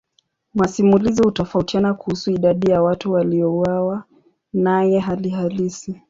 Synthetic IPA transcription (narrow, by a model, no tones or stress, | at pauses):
masimulizihutɔfautianakuhusuiɗaɗijawatuwaliɔuwawa | najɛɦaliɦalisi